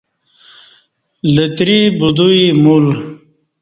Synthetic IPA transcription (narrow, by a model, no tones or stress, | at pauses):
lət̪ɾibud̪uimul